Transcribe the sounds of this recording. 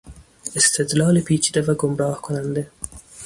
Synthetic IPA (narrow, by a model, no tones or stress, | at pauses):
ɪst̪ɪd̪lɑːlipiːt͡ʃid̪avaɡʊmɾɑːhkʊnand̪e